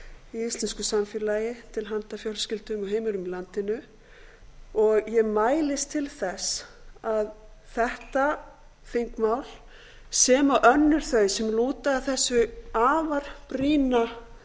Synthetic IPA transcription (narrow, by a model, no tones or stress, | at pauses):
iist̪lɛnskʏsamfɪɾlaːjɪt̪ʰɪlɦant̪afjɔlscɪlt̪ʏmʏɦeːjmʏɾʏmilant̪ɪnʏ | ɔɣjɛmaːjlɪst̪ʰɪlθɛsað | θɛht̪a | fiŋkmaːwl | sɛːmaʔœnːʏɾ̥θœɥsɛmluːt̪aːθɛsːʏaːvaɾ̥pɾiːna